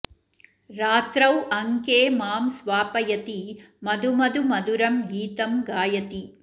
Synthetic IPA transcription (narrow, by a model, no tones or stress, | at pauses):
ɾaːt̪ɾɐwɐŋkeːmaːmsʋaːpɐjɐt̪i | mɐd̪ʱumɐd̪umɐd̪uɾɐmɡiːt̪ɐmɡaːjɐt̪i